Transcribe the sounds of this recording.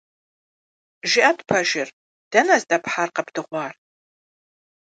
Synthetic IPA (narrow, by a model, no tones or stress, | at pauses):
ʒɪʔɐtʰpʰɐʒɪr | d̥ɐnɐzdɐpħaːrqɐpdʰɨʁʷɑːr